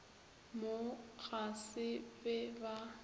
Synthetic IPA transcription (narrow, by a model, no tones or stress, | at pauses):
mok͡xʰʼasɪbɛba